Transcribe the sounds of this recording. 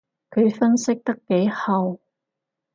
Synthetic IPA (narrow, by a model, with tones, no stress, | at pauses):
kʰɵ˨˧ɥfɐ˥nsɪ˥k̚t̪ɐ˥kːe˨˥jhɐ˨w